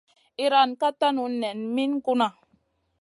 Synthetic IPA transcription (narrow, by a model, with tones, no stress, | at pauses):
i˦ɾa˨nka˦ta˦nu˨nɛ˨nmi˦n˦ku˦na˨